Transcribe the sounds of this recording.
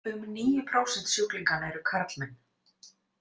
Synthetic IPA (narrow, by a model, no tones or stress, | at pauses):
ʏmniːjʏpʰɾaːwsɛnt̪sjowkliŋkanɛɾʏkʰaɾt̪lmɛn